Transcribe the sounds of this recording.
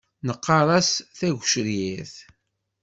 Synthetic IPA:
nəqːɑɾˤɑsθæʝʷʃɾjiθ

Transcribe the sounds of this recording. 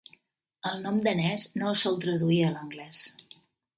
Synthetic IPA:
əlˠnɔmd̪ənɛznosɔlˠt̪ɾəðuiələŋɡlɛs

